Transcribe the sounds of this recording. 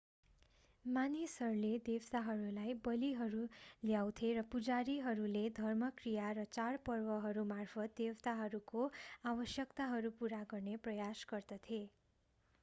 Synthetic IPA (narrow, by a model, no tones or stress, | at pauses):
manisɦʌɾuled̪ewt̪aɦʌɾulajbʌliɦʌɾuljawt̪ʰeɾʌpud͡zaɾiɦʌɾuled̪ʱʌrmʌkrijaɾʌt͡sarpʌrwʌɦʌɾumarpʰʌt̪̚d̪ewt̪aɦʌɾukoabʌsjʌkt̪aɦʌɾupuɾaɡʌrneprʌjasɡʌrd̪ʌt̪ʰie